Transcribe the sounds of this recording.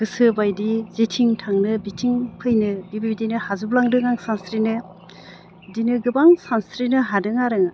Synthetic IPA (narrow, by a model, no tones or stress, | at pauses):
ɡ̥ɯsɯbajdizetʰiŋtʰaŋnɯbitʰiŋpʰɯjnɯbibibidinɯhazublaŋdɯŋaŋsanstɾinɯ | dinɯɡɯbaŋsanstɾinɯɦadɯŋaɾɯŋa